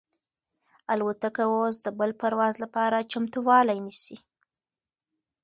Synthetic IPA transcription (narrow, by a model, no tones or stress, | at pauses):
alwat̪akawos̬d̪əbəlpaɾwɑzlapɑɾat͡ʃamt̪uwɑlajnisi